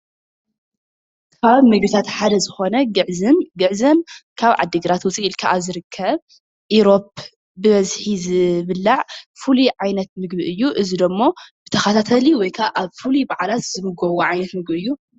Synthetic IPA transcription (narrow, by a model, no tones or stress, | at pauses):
kʰaβmɨɡbɨt̪ʰat̪ħad̪ɐzɨxo̞nɐɡɨʕzɨmɡɨʕzɐmkʰaβʕa̰d̪ːɨɡɨɾat̪wʊt͡sʼiːlkʰaʔazɨɾɨkʰːɐβ | ʔiɾo̞p̚ | bɨβɐzħizɨβɨlːaʕfuliʕajnɐt̪̚mɨɡ̚biɨjːuʔɨzid̪ɐmːo̞b̥ɨt̪ʰɐxɐt̪ʰat̪ʰɐliwɔjkʰaβʔaβfulibaʕlat̪zɨmɨɡɐwoʕajnɐt̪mɨɡbiɨjːu